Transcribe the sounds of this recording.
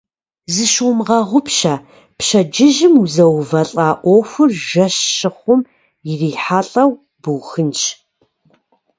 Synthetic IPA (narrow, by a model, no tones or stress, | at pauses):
zɨʃumʁɐʁʷʊpɕɐ | pɕɐd͡ʒɪʒɪmuzɐwvɐɬʼaːʔʷoxʷʊrʒɐɕːɨχʷʊm | jɪriːħaːɬʼɐw | bɨwxɨnt͡ʃ